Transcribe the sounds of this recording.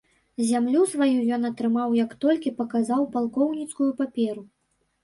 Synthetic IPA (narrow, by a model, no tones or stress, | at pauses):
zʲamlʲusvajujɔnɐt̪ɾɨmawjɐkt̪ɔlʲkʲipɐkazawpalˠkɔwnʲit̪skujupapʲɛɾu